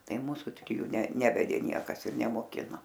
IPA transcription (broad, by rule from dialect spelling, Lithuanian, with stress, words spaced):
ˈtɐɪ ˈmuːsʊ tʲrʲɪˈjuː nʲɛ ˈnʲæːʋʲɛdʲeː ˈnʲiɛkɐs ɪr nʲɛmoːˈkʲɪnoː